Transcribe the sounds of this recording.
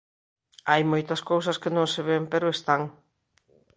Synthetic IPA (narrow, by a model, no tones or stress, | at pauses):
ajmojt̪ɐskowsɐskɪnõŋseβempeɾʊest̪aŋ